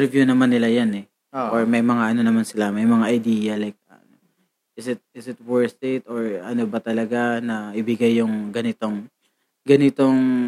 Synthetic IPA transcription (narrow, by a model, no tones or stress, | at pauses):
ɾvjunɐmanːɪlajanɛ | ʔoɹmɐjmɐŋaʔɐno̞nɐmansɪlamɐjmɐŋaʔɐjd̪iːjɐlajk̚ɐ | ʔɪsɪt̪̚ɪsɪt̪̚wɛɹsɪt̪oɹɐnobɐt̪ɐlɐɡanɐʔɪbɪɡajːʊŋɡɐnɪt̪oŋ | ɡɐnɪt̪o̞ŋ